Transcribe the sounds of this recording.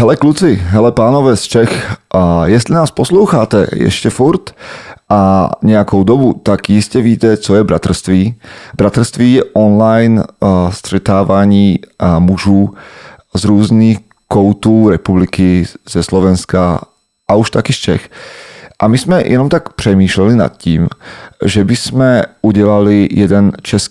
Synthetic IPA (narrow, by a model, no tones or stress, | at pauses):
ɦɛlɛklut͡sɪɦɛlɛpaːnovɛːst͡ʃɛx | jɛst̪linaːsposlowxaːt̪ɛ̰jɛ̰ʃcɛfuɾt̪ʔaɲɛjakowd̪obut̪akjɪscɛviːt̪ɛt͡sojɛbɾat̪r̩st̪viːbɾat̪r̩st̪viːjɛʔonlajnst̪r̝̥ɛt̪aːvaːɲiːmuʒuː | zɾuːzniːx | kɔwt̪uːɾɛpublikizɛslɔʋɛnska | ʔauʃt̪akist͡ʃɛx | ʔamismɛjʔɛ̰nɔmt̪akpr̝̥ɛmiːʃlɛlina̰t̪̚ciːmʒɛbismɛuɟɛlalijɛd̪ɛnt͡ʃɛs